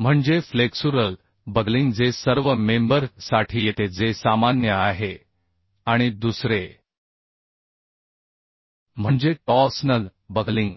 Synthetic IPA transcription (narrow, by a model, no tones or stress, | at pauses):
m̤əɳd͡zefleksuɾəl | bəɡliŋɡd͡zesəɾʋəmembəɾsaʈʰiːjet̪ed͡zesamanjəaɦe | aɽ̃id̪usɾe | m̤əɳd͡zeʈɔsnəl | bəɡliŋɡ